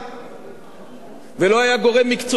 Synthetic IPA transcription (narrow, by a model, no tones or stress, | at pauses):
velo̞ajaɡo̞ʁe̞mːikt͡so